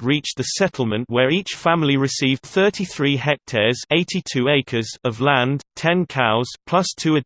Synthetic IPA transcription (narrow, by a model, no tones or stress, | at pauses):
ɹiˑt͡ʃðəsɛtʰˡl̩ˠmə̃nʔwəɹiˑt͡ʃfãmliɹɪsiːvd̥θɜˑtʰiθɹiːɦɛk̚tʰɛːz̥eɪtʰitʰʉːeɪkʰəzəvlãndtʰɛ̃nkʰaʊz̥pʰl̥ʌstʰʉːə